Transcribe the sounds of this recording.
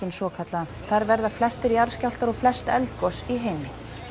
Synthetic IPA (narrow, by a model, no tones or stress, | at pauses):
ɪnsɔːkʰat̪la | θaɾvɛɾðaflɛst̪ɪɾjaɾ̥scawl̥t̪aɾɔɣflɛst̪ɛlt̪kɔsiɦeːjmɪ